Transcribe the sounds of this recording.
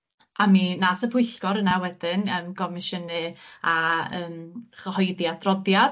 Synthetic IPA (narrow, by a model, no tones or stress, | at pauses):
aminasəpʰʊjɬɡ̥ɔɾənawɛdɪnəːmɡʰɔmɪʃənɨaəːmχəhɔjdjadrɔdjad